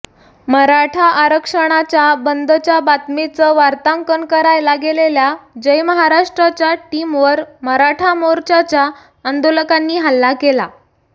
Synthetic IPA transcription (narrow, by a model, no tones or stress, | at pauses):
məɾaʈʰaʔːɾəkʂəɽ̃at͡ɕjabənd̪ʱət͡ɕjabat̪met͡səʋaɾt̪aŋkəɳkəɾajlaɡeleljad͡ʑəjməɦaɾaʂʈɾat͡ɕjaʈimʋəɾməɾaʈʰamoɾt͡ɕat͡ɕja | ənd̪oləkanːiːɦalːakela